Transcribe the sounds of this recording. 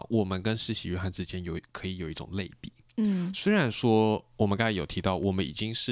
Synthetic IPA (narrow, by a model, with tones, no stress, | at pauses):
wɔ˨˩mə˧˦nkə˥nʂɻ̩˥˩ɕḭ˧˥y˥˧˥xa˥˧nt͡sɻ̩˥˩t͡ɕjɛ˥njo˨˩ʊkʰɤ˧˥i˧˥jo˨˩ʊi˥˩ʈ͡ʂʊ̰˨˩ŋle˥˧ɪpi˨˩˦ | swe˥ɪɻa˧˥nʂwɔ˥wɔ˨˩mə˦nkjo˨˩ʊt̪ʰi˧t̪ɑ˥˩ʊwɔ˨˩mə˦nḭ˨˩t͡ɕi˥ŋʂɻ̩˥˩